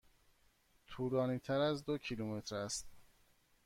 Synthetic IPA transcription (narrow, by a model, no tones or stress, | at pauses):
t̪ʰuːlɒːniːt̪ʰæɾæzd̪ocʰilume̞t̪ʰɾæst̪̚